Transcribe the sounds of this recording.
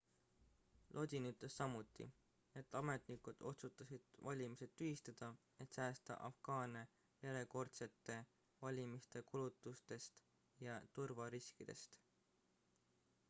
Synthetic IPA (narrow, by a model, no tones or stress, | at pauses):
lʔo̞d̪̥ʲinyt̪lesːɑmut̪ˑːḭ | e̞t̪ːˑɑme̞t̪ˑnikud̪̥o̞t̪sut̪ːˑɑsid̪̥vɑlʲimise̞t̪ːyɦist̪ɑd̪̥ɑ | e̞t̪sæːst̪ɑ̰ʔɑfɡ̥ɑːne | eɾe̞ko̞rt̪se̞t̪ːˑe̞ | vɑlʲimist̪e̞kulut̪ːˑust̪e̞st̪ | jɑt̪urvɑɾiskid̪̥e̞̰st̪